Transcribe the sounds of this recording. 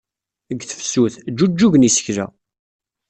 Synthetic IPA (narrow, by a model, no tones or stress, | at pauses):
əɡθə̥fsuθd͡ʒːud͡ʒːuʝənisə̥çɾæ̰